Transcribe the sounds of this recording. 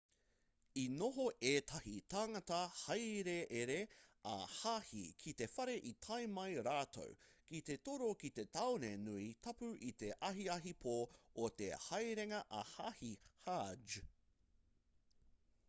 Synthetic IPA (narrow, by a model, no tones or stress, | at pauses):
inoɦoʔeːt̪ʰɐhit̪ʰaːŋɐtɐhɐjɾeʔeɾeɐ̰hahḭkʰit̪e̞fɐɾe̞ʔit̪ʰɐjmɐjɾaːt̪ʰo̰wkit̪e̞t̪oɾokit̪e̞t̪awnenuit̪ʰɐpʉʔit̪e̞ʔɐɦiɐɦipʰoːot̪ḛhɐjɾeŋɐʔɐhahihad͡ʒ